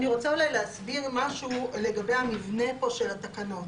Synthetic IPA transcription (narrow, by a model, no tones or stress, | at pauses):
niʁo̞t͡saulajleasbiʁmaʃuleɡabe̞jhamivne̞po̞ʃe̞lat̪akano̞t